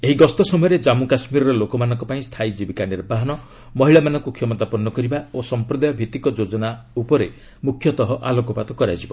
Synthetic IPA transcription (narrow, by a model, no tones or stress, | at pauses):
eɦiɡɔst̪ɔsɔmɔjɔɾed͡ʒamukasmiɾɔɾɔlokɔmanɔ̃ŋkɔpaĩst̪ʰajd͡ʒibikaniɾbaɦɔnɔ | mɔɦiɭamanɔ̃ŋkukʰjɔmɔt̪apɔnːɔkɔɾibaosɔmpɾɔd̪ajɔbʱit̪ikɔd͡ʒod͡ʒɔnaupɔɾe | mukʰjɔt̪ɔɦɔʔalɔkɔpat̪ɔkɔɾad͡ʒibɔ